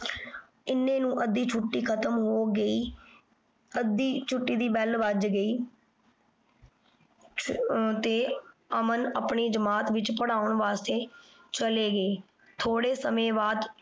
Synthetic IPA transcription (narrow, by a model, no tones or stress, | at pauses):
ɪnːẽːnũːʔəd̪ːiːt͡ʃʰʊʈːiːkʰət̪əmɦoːɡəiː | əd̪ːiːt͡ʃʰʊʈːiːd̪iːbɛlʋəd͡ʒɡəiː | t̪eːəmənəpɳiːd͡ʒəmaːt̪ʋɪt͡ʃpəɽaːʊɳʋaːst̪eːt͡ʃəleːɡəeː | t̪ʰoːɽeːsəmẽːbaːd̪